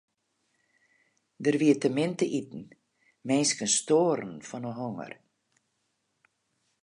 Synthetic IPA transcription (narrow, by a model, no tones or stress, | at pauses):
dərʋiətəmɪntəʔitn̩ | mɛnskənstoːɾn̩fɔnəɦoŋə̰r